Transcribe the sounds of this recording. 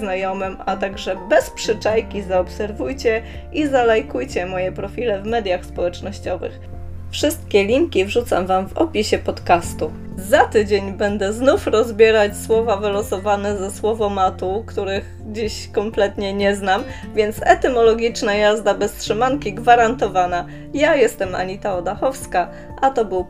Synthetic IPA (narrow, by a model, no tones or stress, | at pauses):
znajɔmɘmat̪aɡʐɛbɛspʂɘt͡ʂajkʲizaɔpsɛɾvujt͡ɕɛ | ʔizalajkujt͡ɕɛmɔjɛpɾɔfʲilɛvmɛd̪ʲjaxspɔwɛt͡ʂnɔɕt͡ɕɔvɘ̰x | fʂɘst̪̚kʲɛlʲiŋkʲivʐut̪sa̰mvamvɔ̰pʲiɕɛpɔt̪kast̪u | zat̪ɘd͡ʑeɲbɛnd̪ɛznufɾɔzbʲjɛɾat͡ɕswɔvavɘlɔsɔvanɛzɛswɔvɔmat̪ukt̪uɾɘx | d͡ʑiɕkɔmplɛt̪ɲɛɲɛznam | vʲjɛnt̪sɛt̪ɛmɔlɔɡʲit͡ʂnajazd̪abɛstʂɘmaŋkʲiɡvaɾant̪ɔvana | jajɛst̪ɛma̰ɲit̪aɔd̪axɔfska | ʔat̪ɔbɘw